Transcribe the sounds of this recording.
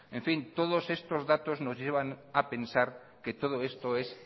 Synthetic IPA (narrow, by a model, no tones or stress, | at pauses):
ẽɱfint̪oð̞osest̪ozðat̪oznozʎeβ̞anapensaɾ | ket̪oð̞oest̪oes